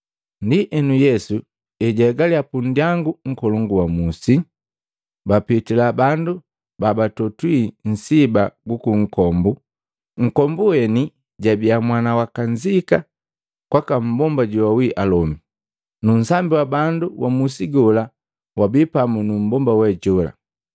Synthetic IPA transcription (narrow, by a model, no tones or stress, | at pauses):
ndiʔɛnujɛsu | ɛɟaɡaliapundjaŋɡuŋ̩kɔlɔŋɡuwamusi | bapitilabandu | babatɔtwin̩sibaɡukuŋ̩kɔmbu | ŋ̩kɔmbuwɛni | ɟabiamwanawakaɲzika | kwakam̩bɔmbaɟuwawiʔalɔmi | nun̩sambiwabanduwamusiɡɔla | wabipamunum̩bɔmbawɛɟɔla̰